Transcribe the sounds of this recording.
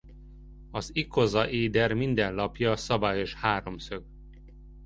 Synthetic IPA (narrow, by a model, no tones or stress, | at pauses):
ɒzikʰozɒʔeːd̪ɛrmind̪ɛnlɒpjɒsɒbaːjoʃhaːɾo̞msøɡ